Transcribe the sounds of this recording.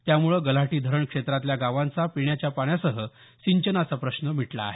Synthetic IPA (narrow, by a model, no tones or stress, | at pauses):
t̪jamuɭəɡəlaʈiːd̪ʱəɾəɳkʂet̪ɾat̪ljaɡaʋãnt͡sapiɳjat͡ɕjapaɳjasəɦə | siɲt͡ɕənəsapɾəɕnəm̤iʈla̰ːɦe